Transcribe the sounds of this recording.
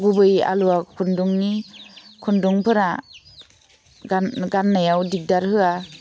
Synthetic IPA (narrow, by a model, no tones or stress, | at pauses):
ɡubɯja̰luakʰunduŋnikʰunduŋpʰɯɾa | ɡanɡanːajawdik̚daɾhɯa